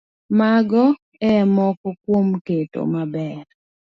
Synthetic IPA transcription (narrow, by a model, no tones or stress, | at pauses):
maɡɔ | ɛmɔkɔkwomketo̰mabɛɾ